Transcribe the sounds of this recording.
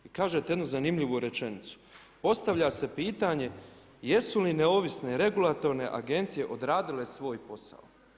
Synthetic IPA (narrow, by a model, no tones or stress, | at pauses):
ikaːʒet̪eje̞d̪nuzanimʎiʋuɾe̞t͡ʃe̞nit̪su̥ | po̞st̪aʋʎase̞piːt̪aɲe̞ | je̞sulineo̞ʋisne̞ɾe̞ɡulat̪o̞ɾne̞ʔa̰ɡe̞nt̪sije̞ʔo̞d̪ɾaːd̪ile̞sʋo̞ːjpo̞sa̰o